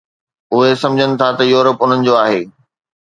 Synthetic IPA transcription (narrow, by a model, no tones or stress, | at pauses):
ʊɦesɐ̃md͡ʑʱənɪ̆t̪ʰat̪ɐjuːɾəpʊn̤ənɪ̆d͡ʑoːaːɦeː